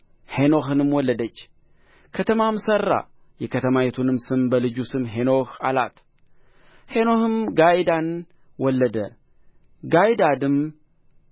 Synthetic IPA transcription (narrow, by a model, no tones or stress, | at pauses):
heno̞ɦɨnɨmwɔlːəd̪ət͡ʃː | kʰət̪ʰəmamsərːa̰ | jɛkʰət̪ʰəmajet̪ʰunɨmsɨmbəlɨd͡ʒusɨmɦenohala̰t̪ | he̞nohɨmɡajd̪an | wɔlːəd̪ə | ɡajd̪ad̪ɨm